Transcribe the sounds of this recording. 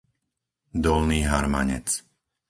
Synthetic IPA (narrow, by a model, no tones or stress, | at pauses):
d̪ɔlniːɦaɾma̰ɲɛ̰t͡s